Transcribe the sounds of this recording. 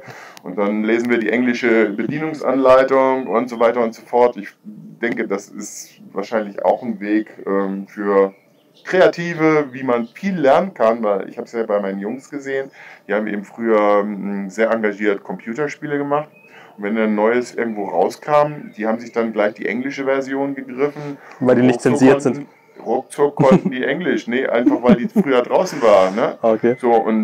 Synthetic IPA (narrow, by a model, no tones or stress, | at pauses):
ʔʊ̰nt̚d̥anleːzn̩viːɐdiːʔɛŋlɪʃəbədiːnʊŋsʔa̰nlaɪtʊŋʔʊntz̥ovaɪtɐʊntz̥ofɔɐtɪçd̥ɛŋkədasɪ̰stva̰ːɐʃaɪnlɪça̰ʊxn̩veːkʔɛːmfyːɐ | kʁ̥eatʰiːvəviːmanfiːlːɛɐnənkʰanvaɪlʔɪ̰çhaːbəsjaːbaɪmaɪnənjʊŋsɡ̥əzeːənd̥iːhaːbm̩ʔḛːbm̩fʁ̥yːɐzeːɐʔaŋɡaʒiːɐtkʰɔmpʰj̥uːtɐʃpiːləɡəmaχt | ʊntvɛndanːɔʏəsʔɪ̰ɐɡŋ̩tv̥oːʁa̰ʊskʰaːmd̥iːhaːbm̩zɪçd̥anɡlaɪçd̥ḭːʔɛ̰ŋlɪʃəvɛɐzjoːnɡəɡʁɪfn̩vaɪldiːnɪçtt͡sɛnziːɐnzɪnt | ʁʊk̚t͡sʊkʰːɔntn̩diːʔɛŋlɪʃnəʔa̰ɪnfaχv̥aɪldiːffʁ̥yːɐdʁaʊsn̩vaːʁənnəaoez̥oːʔʊ̰n